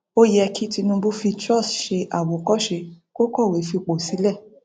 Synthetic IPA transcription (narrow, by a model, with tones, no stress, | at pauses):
o˦jɛ˧kʰi˦ti˧nũ˧bu˦fi˧tɾɔ˦˨sʃe˧ʔa˨wo˨kɔ˦ʃe˧ko˦kɔ˦˨we˨˦fi˧k͡po˨si˨˦lɛ˦˨